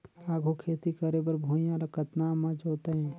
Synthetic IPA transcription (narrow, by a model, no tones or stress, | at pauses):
aːɡʱokʰeːt̪ikəɾebəɾbʱuːjãɾɐkət̪naːmãd͡ʒoːt̪eɦɛ̃ː